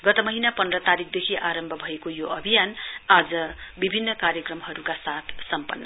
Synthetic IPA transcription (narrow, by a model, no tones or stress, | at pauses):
ɡʌt̪ʌmʌɦinapʌnd̪rʌt̪aɾik̚ʰd̪ekʰiʔaɾʌmbʱʌbʱʌekojoʌbʱijanad͡zʌbibʱinːʌkarjʌkrʌmɦʌɾukasat̪ʰsʌmpʌnːʌ̰